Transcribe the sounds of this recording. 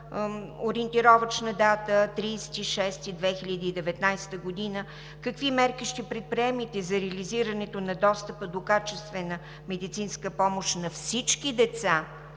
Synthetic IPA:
oɾiənt̪iɾɔvət͡ʃnəd̪at̪ət̪ɾiːsɛ̥t̪iʃɛst̪id̪vɛxiʎʲəd̪iːd̪ɛvɛt̪najst̪əɡod̪inə | kɐkvimɛɾkiʃt̪ɛpɾɛt̪̚pɾiɛmit̪ɛzɐɾɛəliziɾənɛt̪onɐd̪ɔst̪əpəd̪okat͡ʃɛst̪vɛnə | mɛd̪it̪sinskəpɔmoʃnɐfsit͡ʃkid̪ɛt̪sa

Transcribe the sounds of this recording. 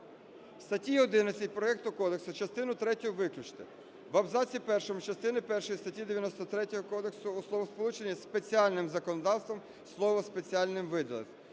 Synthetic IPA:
st̪ɐtʲiɔd̪ɪnɐt͡sʲɐt̚ʲpɾɔɛk̚t̪ʊkɔd̪eksʊt͡ʃɐst̪ɪnʊt̪ɾɛtʲʊʋɪklʲʊt͡ʃt̪ɪ | ʋɐbzɑt͡sʲipɛrʃɔmʊt͡ʃɐst̪ɪnɪpɛrʃɔjist̪ɐtʲid̪eʋʲjɐnɔst̪ɔt̪ɾɛtʲɔɦɔkɔd̪e̞ksʊːslˠɔʋɔspɔlˠut͡ʃe̞nʲːispet͡sʲiɑlʲnɪmzɐkɔnɔd̪ɑwst̪ʋɔm | slˠɔʋɔspet͡sʲiɑlʲnɪmʋɪd̪ɐlˠḛx

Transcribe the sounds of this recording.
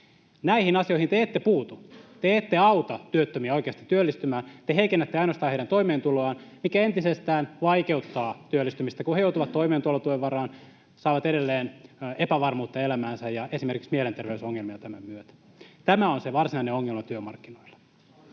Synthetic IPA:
næihinɑsioihint̪eeːt̪ːepuːt̪ut̪eeːt̪ːeɑut̪ɑt̪yøt̪ːømiæo̞ikeɑst̪i̥t̪yølːist̪ymæːnt̪eheikenːæt̪ːeɑinost̪ɑːheiɾænt̪oimeːnt̪uloɑːnmikæent̪isest̪æːnʋɑikeut̪ːɑːt̪yølːist̪ymist̪ækuhejout̪uʋɑt̪toimeːt̪uolːɑt̪ueʋʋɑrɑːn | sɑːʋɑt̪eɾelːeːnepæʋɑrmuːt̪ːɑelæmæːnsæjjɑesimerkiksmielent̪erʋeysoŋːelmiɑt̪æmæ̰myøt̪æ̥ | t̪æmæonseʋɑrsinɑineoŋːelmɑt̪yømɑ̰rkːinoilːɑ̥

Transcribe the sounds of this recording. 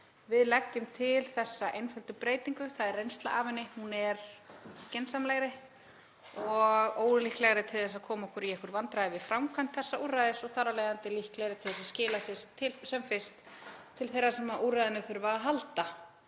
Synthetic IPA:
vɪðlɛcːʏmt̪ʰɪlθɛsːaʔejnfœlt̪ʏpɾeːjt̪iŋkʏθaðɛrːejnst̪la̰ʔaːvɪnːɪhunɛɾ̥scɛnsamlɛɣɾɪ | ɔɣoːwɾʏlihklɛɣaɾɪt̪ʰɪlθɛs̬aðkʰɔːmɔhkʰʏɾiɛhkʏɾvant̪ɾaðɪvɪðfɾawmkʰant̪θɛsːauːrːajðɪsɔɣθaɾalajðant̪ɪlihklɛɣɾɪt̪ʰɪlθɛsascɪːlasɪst̪ʰɪlsɛmfɪr̥t̪ʰː | ɪlθejɾːasɛmaʔurajðɪnʏθʏɾvaɦalt̪a

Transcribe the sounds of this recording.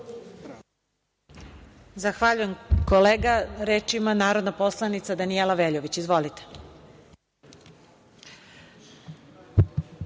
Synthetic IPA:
zaxʋaʎuje̞mkoleːɡaɾeːt͡ʃimanaːɾo̞d̪napo̞slˠanit̪sad̪anielaʋeʎoʋit͡ɕizʋo̞lit̪e̥

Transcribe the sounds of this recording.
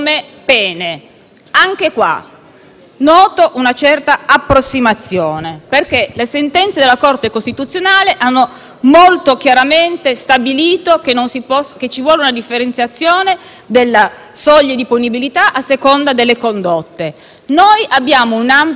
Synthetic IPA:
mepɛːne | aŋk̟ekwa̰ | nːɔːt̪oʔunat͡ʃɛrt̪aapːɾosːimat̪sːjoːneperkelesent̪ɛnt̪sed̪elːakort̪ekost̪it̪ut̪sːjonaːleʔanːo | molt̪ok̟jaɾament̪est̪abiliːt̪okenːonsipɔsket͡ʃːivwɔːlunad̪ifːeɾent̪sjat̪sːjoːne | d̪elːa | sɔʎːed̪iponibilit̪aʔasːekond̪ad̪elːekond̪ot̪ːe | nojʔabːjaːmounamp

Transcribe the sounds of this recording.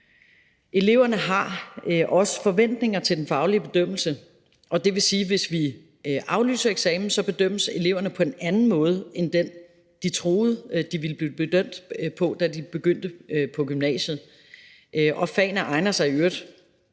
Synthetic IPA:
ʔe̝le̝ʊ̰ɐnəɦɑ̈ʔɒ̽sə̥fɒ̽ʋen̰d̥ne̝ŋɐt͡sʰed̥enfɑ̈ʊliəb̥e̝d̥øm̰l̩sə | ʔɒ̽d̥e̝ʋe̝siːʋe̝sʋi | ʔɑ̈ʊly̰ːsɐeɡ̥sɛːmn̩sɒ̽b̥e̝d̥øm̰əse̝le̝ʊɐnəpʰɒ̽enænn̩mɔ̽ːð̞̩ˠəend̥en | d̥it͡sʰʁo̝ːð̞̩ˠd̥iʋilb̥lib̥ed̥øm̰d̥pʰɒ̽d̥ædib̥e̝ɡ̥øn̰d̥əpʰɒ̽ɡ̥ymnɛ̰ːɕð̞̩ˠ | ʔʔɒ̽fɛ̰ːnəʔɑ̈ɪnɐsɑ̈ɪøɐ̰d̥

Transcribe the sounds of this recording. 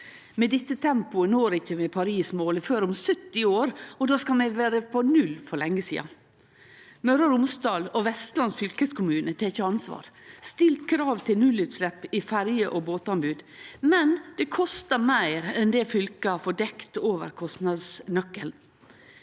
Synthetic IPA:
mɛd̪ɪt̪ːət̪ʰɛmpʊənoːɾɪçːəmɛpʰɑɾiːsmoːlɪføːɾʊmsœt̪ːɪoːɾɔd̪oːskɑlmɛɪʋæːɾəpʰɔnʉlfɔɾlɛŋːəsḭːɑ | mœɾəɾʊmsd̪ɑːlɔʋɛst̪lɑnsfʏlkəskʰʊmʉːnət̪ʰeːçəɑnsʋɑ̰ːɾst̪ɪlt̪kʰɾɑːʋt̪ʰɪlnʉlʉt̪slɛpːɪfæɾjəʔoboːt̪ɑnbʉːd̪mɛnd̪̥ɛkʰɔst̪əmæɪɾɛnd̪ɛfʏlkəfɔɖɛkt̪oːʋə̰ɾkʰɔst̪nɑd̪snœkːəl

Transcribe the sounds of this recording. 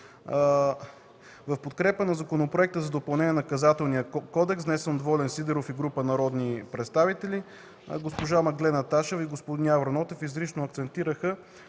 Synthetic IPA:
vɐfpot̪kɾɛpənɐzɐkonopɾoɛk̚t̪əzɐd̪opɐlˠnɛniɛnɐkɐzat̪ɛlˠnijəkɔd̪ɛksnɛsɛnd̪vɔlɛnsid̪ɛɾofiɡɾupənɐɾɔd̪nipɾɛt̪st̪avit̪ɛli | ɡospoʒamɐɡd̪lɛnɐt̪aʃɛviɡospod̪inʲavɾɐnɔt̪ɛfizɾiʃnoɐk̚t̪sɛnt̪iɾəxə

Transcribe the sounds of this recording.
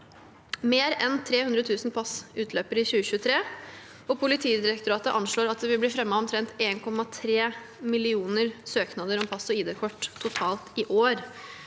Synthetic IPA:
meːɾɛnt̪ʰɾeːhʉnd̪ɾət̪ʰʉːsn̩pʰɑsʉːt̪ʰløːpəɾɪçʉːəçʉːət̪ʰɾeː | ɔpʰʊlɪt̪ʰiːd̪ɪɾɛkt̪ʊɾɑːt̪əʔɑnʂɭoːɾɑt̪̚d̪ɛʋɪlb̪iːfɾɛmːɑɔmt̪ʰɾɛnt̪eːnkʰɔmːɑt̪ʰɾeː | mɪlɪuːnəɾsøːknɑd̪əɾɔmpʰɑsɔiːd̪eːkʰɔʈ̪ʰːʊt̪ʰɑːlt̪ɪʔoːɾ

